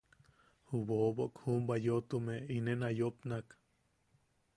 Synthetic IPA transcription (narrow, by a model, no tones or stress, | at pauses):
huβoboʔkhumbajoʔt̪umeinenajopnak